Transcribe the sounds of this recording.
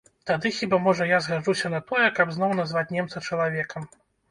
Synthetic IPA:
t̪ad̪ɨxʲibamɔʐɐjazɣad͡ʐusʲɐnɐt̪ɔjɛkɐbznɔwnazvat͡sʲnʲɛmt̪sɐt͡ʂɐlˠavʲɛkɐm

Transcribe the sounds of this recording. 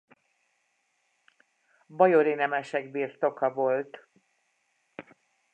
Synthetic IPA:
bɒjoɾinɛmɛʃɛɡbiːrt̪o̞kɒvo̞lt̪

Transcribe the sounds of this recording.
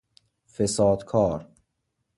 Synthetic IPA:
fesɑːd̪kʰɑːɾ

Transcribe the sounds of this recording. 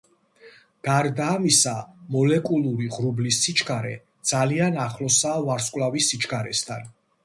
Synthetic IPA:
ɡ̥aɾd̪aːmisamɔlɛkʼulˠuɾiʁɾublisːit͡ʃʰkʰaɾɛ | d̪z̥alianaχlɔsavaɾskʼwlavisːit͡ʃʰkʰʼaɾɛ̰st̪ʰan

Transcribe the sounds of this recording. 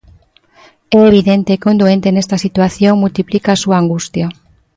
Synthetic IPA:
ɛeβiðent̪eːkond̪uent̪enest̪asit̪waθjoŋmult̪iplikaːsuaːŋɡust̪ja

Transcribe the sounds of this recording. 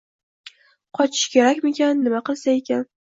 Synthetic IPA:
qʰɒt͡ʃʰɪ̥ʃkʲʰe̞ɾakʲmekʲanːɪmaqɨlˠsaekʲan

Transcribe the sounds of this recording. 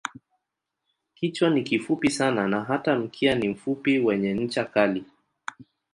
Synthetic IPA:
kit͡ʃwanikifupisananaɦatam̩kʰianim̩fupiwɛɲɛɲ̩t͡ʃakali

